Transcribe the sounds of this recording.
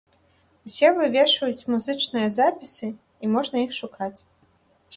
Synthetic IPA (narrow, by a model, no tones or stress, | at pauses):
wsʲɛvɨvʲɛʂvɐjut͡sʲmuzɨt͡ʂnɨjɐzapʲisɨ | imɔʐnɐjixʂukʰat͡sʲ